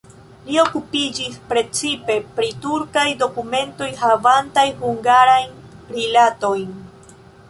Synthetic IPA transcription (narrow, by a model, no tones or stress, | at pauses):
lio̞kupid͡ʒispɾe̞t͡sipe̞pɾituɾkajdo̞kume̞nto̞jɦavantajhuŋɡaɾajnɾilato̞jn